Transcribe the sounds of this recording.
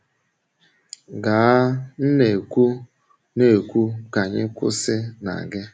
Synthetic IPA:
ɡa˨a˦n̩˦ne˨kʷu˦ | ne˨kʷu˦ka˨ɲɪ˦kʷʊ̰˦sɪ˦na̰˨ɡɪ˦

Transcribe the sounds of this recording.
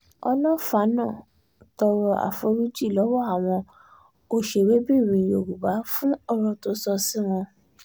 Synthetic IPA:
ɔ̰˧lɔ̃˦fa˨˦nãː˦˨ | tɔ˧ɾɔ˧a̰˨fo˧ɾu˦d͡ʒi˦˨lɔ˨˦wɔ˦a˨w̃ɔ̃˧ | o˧ʃe˨we˨˦bi˦˨ɾ̃ĩ˧˨jo˨ɡu˨ba˨˦fũ˦ɔ˦˧ɾɔ˧to˧sɔ˧si˦w̃ɔ̃˧

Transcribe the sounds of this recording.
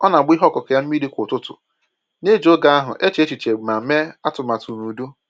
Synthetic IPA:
ɔ˦na˨ɡ͡bi˦ɦɔ˦˨kɔ˨ka˨ja˦m̩˦i˦di˦kʷtʊ˦tʊ̰˨ | ne˦d͡ʒo˦ɡa˦a˦ɦʊ̰˨ʔe˦t͡ʃe˨˦e˦t͡ʃi˨t͡ʃe˨ɡ͡bma˨˦me˦a˦tʊ˨ma˨tu˨nu˨du˦

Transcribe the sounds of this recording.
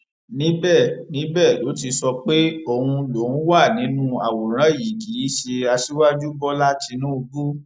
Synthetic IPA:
nĩ˨˦bɛ˦˨nĩ˨˦bɛː˦˨lo˨˦ti˧sɔ˧k͡pe˦o˦˨hũ˧lo˨˦n̩˦wa˦˨nĩ˨˦nũ˦a˨wo˨ɾ̃ã˦˨ji˨ɡi˨˦ʃe˧a˧ʃi˦wa˦d͡ʒu˦bɔ˦la˦ti˧nũ˦o˧ɡu˦

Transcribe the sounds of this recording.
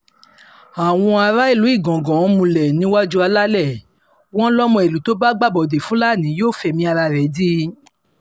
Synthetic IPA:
a˨w̃ɔ̃˧a˧ɾa˦i˦˨lu˨˦i˦˨ɡɔ̃˨ɡɔ̃˨˦mũ˧lɛ˨nĩ˨˦wa˦d͡ʒu˦a˧la˦lɛ˦˨ | w̃ɔ̃˦lɔ˦mɔ̃˧e˨lu˨˦to˦ba˦ɡ͡ba˦˨bɔ˨de˨fũ˨˦la˦˨nĩ˨˦joː˦˨fɛ˧mĩ˧a˧ɾa˧ɾɛ˨˦di˦

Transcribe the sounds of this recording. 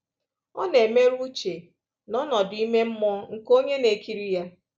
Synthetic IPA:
ɔ̰˦ne˨me˦ɾu˦t͡ʃe˨ | nɔ˦nɔ˨dʊ˨i˦me˦m̩˦mɔ˦ŋ̩˨ko˦ɲe˦ne˨ki˦ɾi˦ja˦

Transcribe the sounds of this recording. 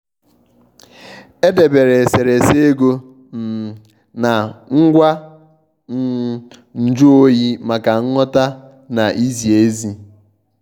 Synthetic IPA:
e˦de˨be˨ɾe˨se˨ɾe˨se˦ɡo˦ | m̩˨ | na˨ŋ̩˦ɡʷa˦ | n̩˦˨ | n̩˨d͡ʒu˦o˦ji˦ma˨ka˨ŋ̩˦ŋɔ˦ta˦ | na˨ʔi˦zi˨e˦zi˦

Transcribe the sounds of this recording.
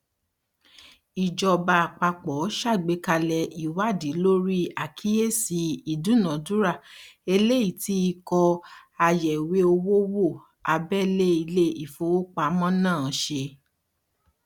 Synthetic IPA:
i˨d͡ʒɔ˧ba˧a˨k͡pa˧k͡pɔ˨˦ʃa˦˨ɡ͡be˧ka˧lɛ˧i˨wa˦˨di˨˦lo˦ɾi˦a˨kʰi˦je˦si˧i˨dũ˨˦nã˨du˨˦ɾa˦˨e˧le˦i˦˨ti˨˦i˧kɔ˧a˧jɛ˨we˨˦o˧wo˦wo˦˨ | a˧bɛ˦le˦i˧le˦i˨fo˧wo˦k͡pa˧˨mɔ̃˦nãː˦˨ʃe˧

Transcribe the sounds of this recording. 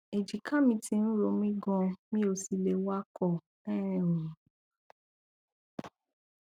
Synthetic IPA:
e˨d͡ʒi˨kʰã˦mĩ˧tʰi˧ñ̩˦ɾo˧mĩ˦ɡɔ̃˧mĩ˦o˧si˨˧le˧wa˦kʰɔ˦˨ | ɛ̃˦ɛ̃˨wo˨˦

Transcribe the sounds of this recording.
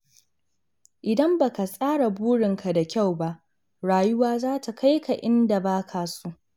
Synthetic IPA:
ʔɪ˨dɐ˦mba˨ka˨sʼaː˦ɽa˨buː˦ɽɪ˨ŋka˨da˨kʲa˦˨wba˦ʔ | ɽaː˨jʊ˦waː˦zaː˦tʰa˨ka˦jkʰa˨ʔɪ˦nda˨baː˦kʰaː˨su˦ʔ

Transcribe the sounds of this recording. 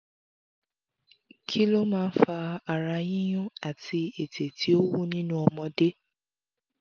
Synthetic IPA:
kʰi˦lo˦mãː˦˧n̩˦fa˧a˨ɾa˧jĩ˦j̃ũ˦a˨tʰi˧e˨tʰe˨tʰi˨˦o˦wu˦nĩ˦nũ˦ɔ˧mɔ̃˧de˦

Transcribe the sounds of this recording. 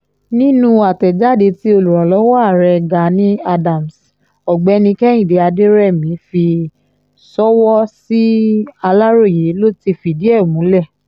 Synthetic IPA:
nĩ˦nũ˧a˨tɛ˨d͡ʒa˦˨de˨˧ti˦o˧lu˨ɾa˨lɔ˨˦wɔ˦a˦˨ɾɛ˧ɡa˨˦nĩ˦a˧dã˨m̩˨s | ɔ˨ɡ͡bɛ˧˦˧nĩ˧kɛ˦j̃ĩ˦˨de˨˧a˧de˦ɾɛ˦˨mĩ˨˦fi˧ | sɔ˦wɔ˦si˦a˧la˦ɾo˦˨je˨˦lo˦ti˧fi˧˨di˦ɛ˦˨mũ˨˦lɛ˦˨

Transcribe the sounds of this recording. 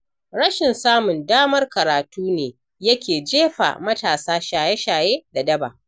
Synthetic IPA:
ɽɐ˦ʃɪ˨nsaː˦mʊ˨ndaː˦mɐ˦rkɐ˨ɾaː˨tuː˦neː˨ | jɐ˦kʲeː˨d͡ʒeː˦ɸa̰˨mɐ˦taː˨saː˦ʃaː˨jɛ˦ʃaː˨jeː˦da˨dɐ˦ba̰ː˨ʔ

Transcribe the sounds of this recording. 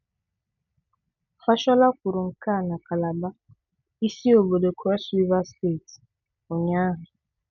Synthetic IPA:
fa˦ʃɔ˦la˦kʷʊ˨ɾʊ˨ŋ̩˨ka˦˨na˨ka˨la˨ba˦ | i˦si˦o˨bo˨do˨kʰɔ˦swi˦va˦ste˦˨t | o˨ɲa˦ɦʊ˨

